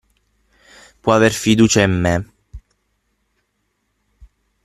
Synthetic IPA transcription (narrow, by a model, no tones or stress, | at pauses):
pwɔaverfid̪uːt͡ʃaimːe